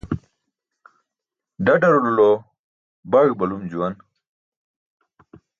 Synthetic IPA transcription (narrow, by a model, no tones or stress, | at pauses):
ɖɐɖɐɾululo | bɐɣbɐlumd͡ʑuwɐn